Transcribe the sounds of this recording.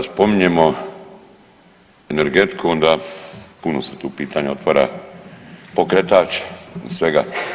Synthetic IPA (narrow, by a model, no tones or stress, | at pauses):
aspo̞miɲemo | eneɾɡet̪kʰuond̪apunoset̪uːpiːt̪aɲao̞t̪ʋaːɾa̰ | po̞kɾet̪aːt͡ʃe̥sʋeɡa̰